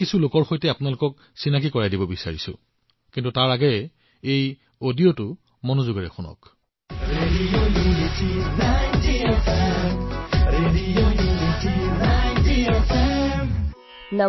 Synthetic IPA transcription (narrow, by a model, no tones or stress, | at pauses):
kisulokɔɹxojtɛapʊnalokɔk̚ | sinak̬ikɔɹajdibɔbisa̰ɹḭsʊ̰ | kintutaɹaɡɛɛ | ej | odiotʊ | monozuɡɔɹɛ̰xunɔ̰k | ɹedionitinajntiofɛ | ɹedionitinajtiofɛ | na